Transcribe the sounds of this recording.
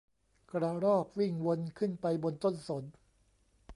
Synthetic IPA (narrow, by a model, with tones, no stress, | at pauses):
kɾa˧ɾɔː˥˩p̚wi˥˩ŋwo˧nkʰɯ˥˩npa˧jbo˧nt̪o˥˩nso˩˦n